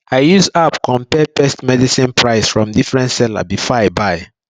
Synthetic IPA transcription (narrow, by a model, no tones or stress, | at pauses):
aɪjuzapkɔ̃mpɛpɛstmɛdisĩnpʰɹaɪsfɹɔ̃mdifɹɛ̃ntsɛla̰bifɔaɪbaɪ